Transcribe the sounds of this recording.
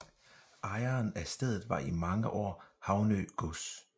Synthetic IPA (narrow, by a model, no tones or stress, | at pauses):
ʔɑ̈ɪɐnæsd̥eð̞̰ˠð̩ˠʋɑ̈ʔimɑ̈ŋəʔɒ̰ːhɑ̈ʊnø̰ːɡ̥ɔs